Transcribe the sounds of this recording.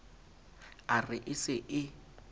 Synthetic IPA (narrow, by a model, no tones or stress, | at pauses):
arɪʔɪsɪʔɪ